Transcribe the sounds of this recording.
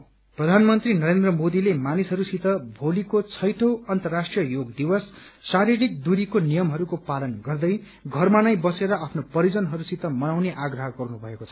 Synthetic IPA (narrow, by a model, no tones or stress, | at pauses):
prʌd̪ʱanmʌnt̪rinʌɾend̪rʌmod̪ilemanisɦʌɾusit̪ʌbʱolikot͡sʰʌjʈʰʌwʌnt̪ʌrːasʈrijʌjoɡd̪iwʌsːaɾiɾik̚d̪uɾikonijʌmɦʌɾukopalʌnɡʌrd̪ʌj | ɡʱʌrmanajbʌseɾʌapʰnopʌɾid͡zʌnɦʌɾusit̪ʌmʌnawneʔaɡrʌɦʌɡʌrnubʱʌekot͡sʰʌ̥